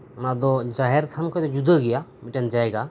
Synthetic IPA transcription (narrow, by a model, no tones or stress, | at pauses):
nad̪ɔd͡ʒaɦɛɾt̪ʰankʰɔjt̪ɔd͡ʒud̪əɡɛjamiʈand͡ʒajɡa